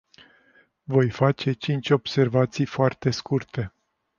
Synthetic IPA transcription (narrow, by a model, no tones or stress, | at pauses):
vo̞jfat͡ʃe̞t͡ʃint͡ʃʲo̞b̥se̞rvat̪sijfoart̪e̞skurt̪ʰe̞